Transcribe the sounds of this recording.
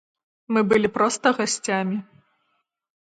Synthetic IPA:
mɨbɨlʲipɾɔst̪ɐɣasʲt͡sʲamʲi

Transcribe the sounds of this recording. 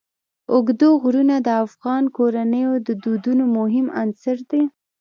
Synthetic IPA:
ʊɡd̪oɣɾunad̪əafɣɑnkoɾanəjod̪əd̪ud̪unomʊɦɪmansəɾd̪e

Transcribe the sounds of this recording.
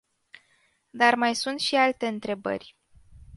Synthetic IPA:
d̪armajsunt̪ʃialt̪e̞ɨnt̪ɾe̞bə̰rʲ

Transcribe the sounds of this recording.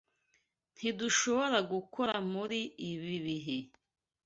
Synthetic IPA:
n̥hiduʃo̞βoɾaɡukʰo̞ɾamuɾiːβiβiɦe

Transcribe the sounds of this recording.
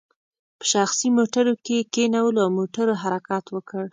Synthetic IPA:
pə̥ʃaxsimoʈaɾokekenawəloawmoʈaɾoɦaɾakɑt̪wəkəɽ

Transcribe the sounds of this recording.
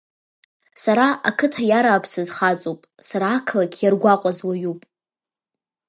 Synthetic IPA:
saɾaʔakʰɨtʰajaɾaːpʰsɨzχat͡sʼopʼ | saɾaːkʰlakʲʰjarɡʷaqʷʼazwaɥupʼ

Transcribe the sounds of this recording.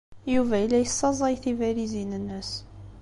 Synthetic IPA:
juvælːæjəsˤːɑzˤɑjθivæɾizinənːəs

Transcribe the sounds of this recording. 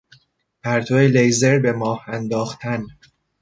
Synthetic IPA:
pʰæɾt̪ʰoelejzeɾbe̞mɒːhænd̪ɒːxt̪ʰæn

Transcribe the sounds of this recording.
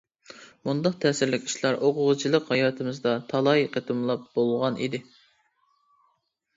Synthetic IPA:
mund̪ɑq̚t̪ʰɛːsɪɾlɪkʲi̥ʃlˠɑɾʔoqʰʊʁət͡ʃʰilˠəqhɑjɑːt̪ʰɨmɨzd̪ɑt̪ʰɑlˠɑjqʰət̪ʰɨmlˠɑp̚bolˠʁɑnḭd̪ɪ

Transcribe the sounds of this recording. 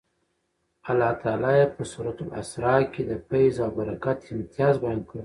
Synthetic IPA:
alːɑt̪ʰɑːlɑjepəsuɾat̪ula̰sɾɑked̪əpajzabaɾakat̪ɪmt̪ijɑzbajɑnd̪kəɽ

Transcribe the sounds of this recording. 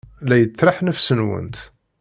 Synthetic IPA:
læjət͡sːɾˤɑħnəfsənwə̰nt̪

